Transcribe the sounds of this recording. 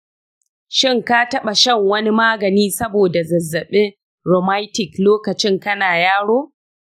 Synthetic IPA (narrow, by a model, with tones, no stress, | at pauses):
ʃɪ˦˨ŋka˦tɐ˦ɓa˨ʃɐ˦˨ŋwɐ˦ni˦maː˦ɡɐ˨niː˦sɐ˦boː˨da˨zɐ˨zːɐ˨ɓɪ˦ | ɾoː˨ma˦jtɪ˨kloː˦kɐ˨t͡ʃɪ˦ŋkɐ˦naː˨jaː˦ɽoː˦